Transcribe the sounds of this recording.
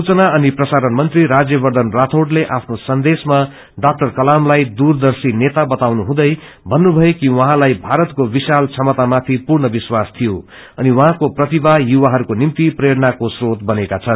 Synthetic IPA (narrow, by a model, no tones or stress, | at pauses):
sut͡sʌnaʌniprʌsaɾʌnmʌnt̪riɾad͡zjʌbʌrd̪ʌnrat̪ʰoɽleʔapʰnosʌnd̪esma | ɖak̚ʈʌrkʌlamlajd̪urd̪ʌrsinet̪abʌt̪awnuɦũd̪ʌj | bʱʌnːubʱʌekiwʌɦãlajbʱaɾʌt̪kobisalt͡sʰʌmʌt̪amat̪ʰipurɳʌbiswast̪ʰijo | ʌniwʌɦãkoprʌt̪ibajuwaɦʌɾukonimt̪iprjeɽʌnakosrot̪bʌnekat͡sʰʌn